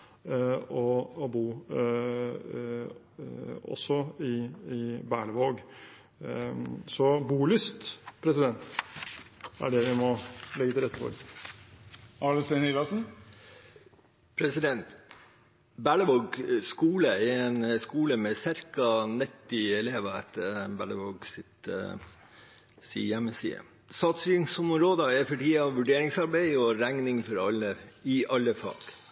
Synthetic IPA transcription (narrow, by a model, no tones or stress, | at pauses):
ɔɔbuː | ɔ̰sːɔɪɪbæːɭəʋoːɡ | sɔbuːlʏst̪pʰɾɛsɪd̪ɛnt̪ | æ̰ɖɛʋɪmɔlɛɡət̪ɪlɾɛt̪ːəfɔ̰ɾ | ɑləst̪ɪnɪlɑsn̩ | pʰɾɛsɪd̪ɛnt̪ | bæɭəʋɔɡskuːləɛɛnskuːləmɛst̪æɾkɑnɛt̪ːɪɛleːʋəɛt̪ʰːəɾbæɭəʋɔɡsɪt̪ | sɪ̰jæmːəsḭːə̰ | sɑːt̪sɪŋsɔmɾoːd̪əɛfɔʈiːɑʋʉɖeːɾɪŋsɑɾbæɪɔɾæŋnɪŋfɔɾɑlːəɪʔɑlːəfɑ̰ːɡ